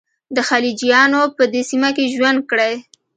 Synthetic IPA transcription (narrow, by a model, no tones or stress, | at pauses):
d̪əxalid͡ʒijɑnopəd̪esimakeʒwand̪̚kɽaj